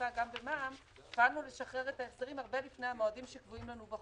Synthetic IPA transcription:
aɡambe̞maːm | falnule̞ʃaχʁe̞ʁetaesd̪aʁimaʁbe̞lifne̞jamoadimʃekvuimlanuba

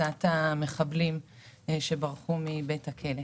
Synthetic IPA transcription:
at̪ame̞χablimʃebaʁχumibe̞thakʰele

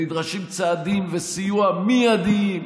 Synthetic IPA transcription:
id̪ʁaʃimt͡saːd̪imvesijuamijad̪im

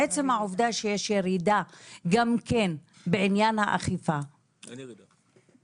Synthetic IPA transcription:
et͡semhaʕovdaʃejeʃjeʁidaɡamken | beʕinjanhaʔa̰χifa

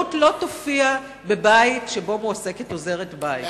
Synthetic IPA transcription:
utlo̞tofia | be̞baitʃebo̞muase̞keto̞ze̞ʁetbajt

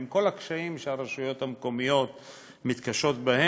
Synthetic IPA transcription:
mko̞lakʃaimʃeaɾeʃujo̞t̪hamko̞mijo̞t̪ | mit̪kaʃot̪bahe

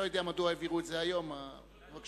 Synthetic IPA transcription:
ojid̪eamad̪uaeviʁut̪zeajoma | vak

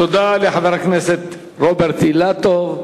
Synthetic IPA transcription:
t̪od̪aleħaðɑɾakneset̪ | ɾobeɾt̪ilat̪ov

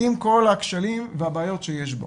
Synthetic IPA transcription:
imko̞lakʃalimvehabaːjo̞tʃejeʃbo̰

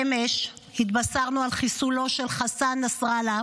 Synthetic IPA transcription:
emeʃ | hit̪basaʁnualχisulo̞ʃe̞lχasanasʁala

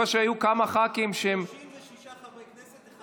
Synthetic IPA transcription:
aʃeajukamaχakimʃem

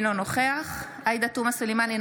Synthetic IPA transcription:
lonoχeaχ | ajd̪at̪umasulimanin

